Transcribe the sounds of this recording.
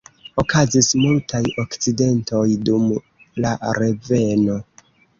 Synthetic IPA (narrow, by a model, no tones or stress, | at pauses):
o̞kazismultʰajo̞kt͡side̞nto̞jdum | laɾe̞ve̞no̞